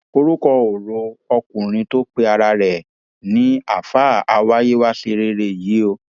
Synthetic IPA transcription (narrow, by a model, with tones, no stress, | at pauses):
o˧ɾu˦kɔ˧o˨ɾo˧ɔ˧kũ˨ɾ̃ĩ˧to˦k͡pe˦a˧ɾa˧ɾɛ˨ | nĩ˨˦a˦˨fa˦˨a˧wa˦je˦wa˦se˧ɾe˧ɾe˦˨ji˨˦o˧